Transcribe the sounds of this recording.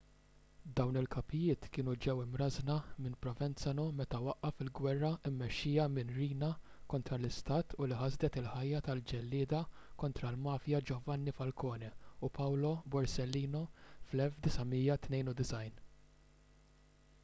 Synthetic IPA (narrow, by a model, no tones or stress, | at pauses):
d̪ɐwnɪlkɐpɪjɪːt̪kɪːnud͡ʒɛwɪmɾɐznɐmɪnpɾɔvɛnt͡sɐnɔmɛt̪ɐwɐʔːɐfɪlɡwɛrːɐɪmːɛʃːɪjɐmɪnɾiːnɐ | kɔnt̪ɾɐlɪst̪ɐːt̪ʰʊliħɐzd̪ɛt̪ɪlħɐjːɐt̪ɐld͡ʒɛlːɪːd̪ɐ | kɔnt̪ɾɐlmɐːfjɐd͡ʒɔvɐnːifɐlkɔːnɛupɐwlɔbɔɾsɛlːiːnɔflɛlfd̪ɪsɐmiːjɐt̪nɛjnud̪ɪsɐjn